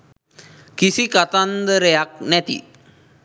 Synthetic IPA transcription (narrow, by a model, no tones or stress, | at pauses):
kisikat̪and̪əɾəjak̚nɛt̪ḭ